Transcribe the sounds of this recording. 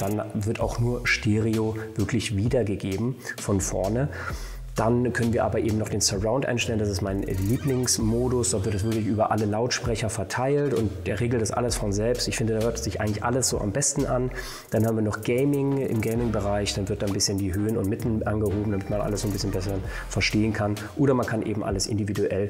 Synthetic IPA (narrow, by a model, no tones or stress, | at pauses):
d̥anvɪɐta̰ʊxnuːɐʃteːʁiov̥ɪɐklɪçviːdɐɡəɡeːbm̩fɔnfɔɐnə | d̥ankʰœnənviːɐaːbɐʔeːbm̩nɔχd̥eːnsɛʁaʊntʔa̰ɪnʃtɛləndasɪstmaɪnliːplɪŋsmoːdʊsd̥ɔːtv̥ɪɐtɛsv̥ɪɐklɪçʔyːbɐʔa̰ləlaʊtʃpʁ̥ɛçɐfɛɐtʰaɪltʊntd̥eːɐʁeːɡl̩d̥asʔa̰ləsfɔnzɛlpstɪçfɪndədaːhøɐtz̥ɪçʔaɪɡŋ̩lɪçʔa̰ləsz̥o̰ːʔa̰mbɛstn̩ʔan | d̥anhaːbm̩viːɐnɔχɡ̥eɪmɪŋʔɪ̰mɡɛɪmɪŋbəʁaɪçd̥anvɪɐt̚d̥anbɪsçəndiːɦøːənʊntmɪtn̩ʔa̰nɡəɦoːbm̩damɪtmanʔa̰ləsz̥oːnbɪsçənbɛs̬əʁə | fɛɐʃteːənkʰan | ʔoːɾɐmankʰanʔḛːbm̩ʔa̰ləsʔɪ̰ndividuʔɛl